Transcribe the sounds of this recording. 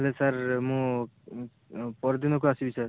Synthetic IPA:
lesaɾmũ | pɔɾd̪inɔkoasibisəɾ

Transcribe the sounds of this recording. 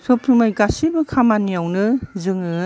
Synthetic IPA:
sɔpʰumajɡasibɯkʰamanijawnɯzɯŋɯ

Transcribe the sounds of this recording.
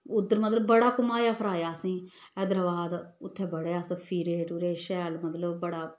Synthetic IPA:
ʊd̪ːəɾmət̪ləbːəɽaːkʊmaːjaːpʰəɾaːjaːsĩː | ɛːd̪əɾʋaːd̪ʊt̪ʰːɛ̃ːbəɽeːaːspʰiːɾeːʈuɾeːʃɛːlmət̪ləbbəɽaː

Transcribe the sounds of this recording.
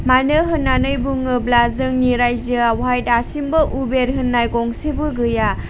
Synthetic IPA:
manɯɦɯnːanɯjbuŋɯblazɯŋniɾajzɯawɦajtasimbɐʔubeɾɦɯnːajkɔŋsebɯɡɯja

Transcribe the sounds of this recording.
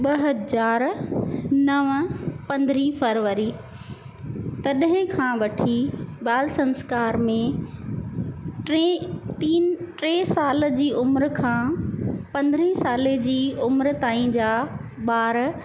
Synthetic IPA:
ɓɐɦɐzaːɾ | nɐʋpɐ̃nd̪ɾifɐɾʋəɾi | t̪ɐɗɦɪ̃kʰãːʋɐʈʰibaːlsɐ̃nskaːɾmẽ | ʈet̪iːnʈɾeːsaːld͡ʑiːʔʊmɾkʰãːpɐ̃nd̪ɾĩsaːled͡ʑiːʊmɾt̪aːĩd͡ʑaːɓaːɾ

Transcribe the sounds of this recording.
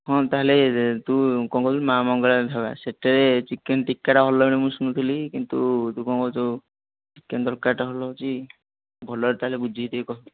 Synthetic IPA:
ɦɔ̃t̪aɦelet̪ũkɔ̃ŋkɔt̪mamɔŋɡɔlad̪ʱaβa̰seʈeɾet͡ʃikenʈikːaʈaɦɔlɔɽ̃imũsunut̪ʰilikint̪ut̪ukɔŋkɔt͡ʃo | t͡ʃikːend̪ɔɾkaʈaɦɔlɔt͡ʃi | bʱɔlɔɾt̪aɦelebud͡ʒʱit̪ikɔɔ

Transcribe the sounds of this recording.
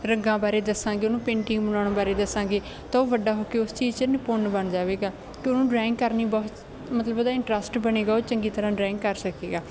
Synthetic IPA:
ɾəŋɡãːbaːɾeːd̪əsːãːɡeːʊnũːpẽːɳʈɪ̃ŋɡbənaːɽ̃ãːbaːɾeːd̪əsãːɡeː | t̪ãːoːʋəɖaːɦoːkeːʊst͡ʃiːzt͡ʃənepʊnbəɳd͡ʒaːʋeːɡaː | kɪʊnũːɖɾaːɪŋkːəɾniːbɔːt̪ | mət̪ləboːd̪aːɪɳʈɾəsʈbəneːɡaːoːt͡ʃəŋɡiːt̪əɾãːɖɾɛ̃ːŋkːəɾsəkḛːɡaː

